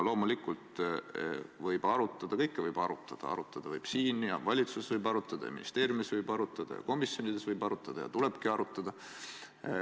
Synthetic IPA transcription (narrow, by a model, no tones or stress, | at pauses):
lo̞ːmulikːult̪ | vɤjb̥ɑɾut̪ˑːɑd̪̥ɑkɤjkːˑevɤjb̥ɑɾut̪ːˑɑd̪̥ɑ̰ɑ̰ɾut̪ːˑɑd̪̥ɑvɤjb̥siːnjɑ̰vɑlʲit̪susevɤjbɑɾut̪ːˑɑd̪̥ɑjɑ̰mḭnist̪e̞ːɾjumisvɤjbɑɾut̪ːˑɑd̪̥ɑ̰jɑ̰ko̞misjo̞nid̪esvɤjbɑɾut̪ːˑɑd̪̥ɑjɑ̰t̪ule̞b̥kiɑɾut̪ːˑɑd̪̥ɑ